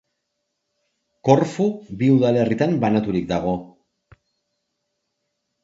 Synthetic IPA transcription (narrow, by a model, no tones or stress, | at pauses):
ko̞ɾfuβiuðale̞rit̪ambanat̪uɾikd̪aɣ̞o̞